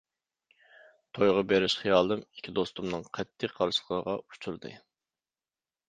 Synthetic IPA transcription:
t̪ʰojʁɑbeɾɪʃχijɑːlˠɨmi̥kʲʰːid̪ost̪umnɨŋqʰɛt̪ʰːɪqʰːɑɾsə̥χʰˠəʁɑut͡ʃʰuɾd̪ɨ̰

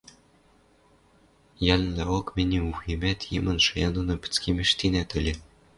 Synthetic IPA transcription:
jælʲlæɤkmʲĕnʲiuximʲæt̪ʲjimɤ̆nʃɤ̆jɑnd̪ɤ̆nɤ̆pʲɘ̥̆t͡skʲimʲɘ̆ʃt̪ʲinæt̪ɘ̆lʲɘ̆

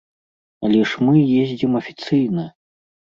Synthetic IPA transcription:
ɐlʲɛʂmɨjezʲd͡zʲimɐfʲi̥t̪sɨjnɐ

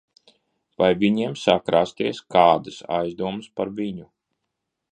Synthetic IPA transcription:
vajvʲiɲiɛmsakɾast̪iɛskaːd̪ɨsa̰jzd̪uɔmspaɾviɲu

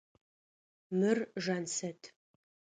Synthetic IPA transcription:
mɨrʒaːnsɐtʰ

